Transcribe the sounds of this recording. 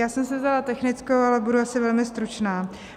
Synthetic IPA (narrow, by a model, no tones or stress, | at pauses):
jaːsɛmsɛvzd̪alat̪ɛxnɪt͡skowalɛbuduasɪvɛlmɪst̪ɾut͡ʃnaː